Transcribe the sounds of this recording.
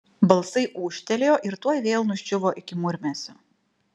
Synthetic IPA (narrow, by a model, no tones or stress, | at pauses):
bɐlˠsɐɪʔuːʃʲt̪ʲɛlʲejoːʔɪɾt̪uɔjʋʲeːlˠnʊʃʲt͡ʃʲʊʋoːʔɪkʲɪmʊɾʲmʲɛsʲʊ